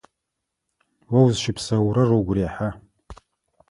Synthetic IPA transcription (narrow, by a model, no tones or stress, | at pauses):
wawzʃɪpʰsawɾaroɡʷriaħa